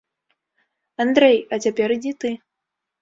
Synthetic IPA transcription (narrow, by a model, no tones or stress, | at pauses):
and̪ɾɛjɐt͡sʲapʲɛɾid͡zʲit̪ɨ